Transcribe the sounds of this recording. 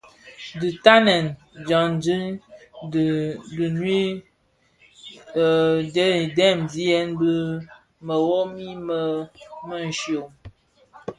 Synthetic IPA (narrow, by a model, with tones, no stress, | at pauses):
dɨ˨ta˦nɛ˨n | d͡ʒa˨nd͡ʒi˦˨ | dɨ˨nwi˦˨˦ | dɛ˦˨mzi˦ɛ˦nbə˦ | mə˨wɔ˦mi˦mə˦mə˦n̩˨ʃjo˨m